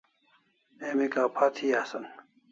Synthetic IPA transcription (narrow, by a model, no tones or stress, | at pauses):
emekaːpʰat̪ʰiːasɐn